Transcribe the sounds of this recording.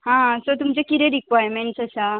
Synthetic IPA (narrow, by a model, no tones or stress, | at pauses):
ɦãsot̪̬umt͡ɕekit̪ɾeɾikʋajɾmeɳʈsəsa